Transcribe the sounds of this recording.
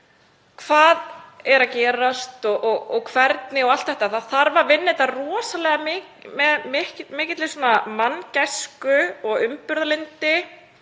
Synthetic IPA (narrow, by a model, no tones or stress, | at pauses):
kʰv̥aːðɛɾacɛːɾast̪ɔɣʔɔɣɔɣkʰvɛɾt̪nɪɔɣalt̪θɛht̪aθaðθaɾvavɪnːɪt̪arɔːsalɛːɣamɪ | mɛðmɪhmɪːcɪt̪lɪsɔːnamancajskʏɔɣʏmpʏɾðalɪnt̪ɪ